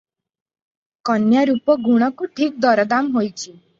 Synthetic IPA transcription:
kɔnjaɾupɔɡuɽ̃ɔkuʈʰik̚d̪ɔɾɔd̪amɦojt͡ʃʰi

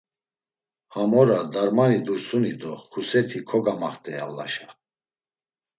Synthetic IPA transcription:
hamɔɾad̪aɾmanid̪uɾsunid̪ɔχusɛt̪ʰikʰɔɡamaχt̪ʼɛja̰vla̰ʃa

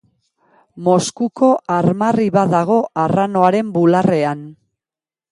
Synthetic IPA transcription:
mo̞skuko̞ʔaɾmariβaðaɣ̞o̞ʔarano̞aɾe̞mbulare̞an

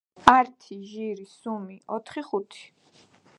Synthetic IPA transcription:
aɾt̪ʰiʒiɾisumiɔt̪ʰχiχut̪ʰi̥

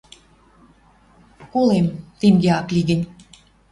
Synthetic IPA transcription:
kolemt̪eŋɡeɑkliɣə̆nʲ

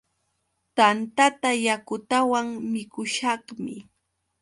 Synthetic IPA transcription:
t̪ant̪at̪ajakʊt̪awaŋmɪkʊʃɑχmɪ

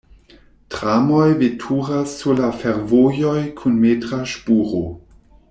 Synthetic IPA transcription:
tʁamojvetʰuʁasːulafeɾvojojkʰunmeːtʁaʃpuːʁo̰

